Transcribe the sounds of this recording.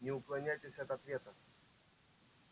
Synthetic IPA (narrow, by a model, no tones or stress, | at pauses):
nʲɪuklˠanʲajtʲesʲɐɐt̪ɐt̪vʲet̪ɐ